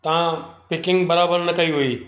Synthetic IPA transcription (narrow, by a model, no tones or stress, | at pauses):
t̪ɐãpɪkɪ̃ŋɡbɐɾabəɾnɐkɐiɦuiː